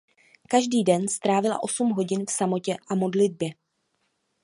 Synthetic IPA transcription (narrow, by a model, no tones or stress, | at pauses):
kaʒdiːdɛnst̪ɾaːvɪla̰ʔo̞sumɦo̞ɟɪnfsamo̞cɛʔamo̞dlɪd̚bjɛ